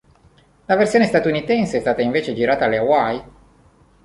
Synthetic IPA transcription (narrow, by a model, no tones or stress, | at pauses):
laversioːnest̪at̪unit̪ɛnsəest̪aːt̪aiɱveːt͡ʃed͡ʒiɾaːt̪aleawaj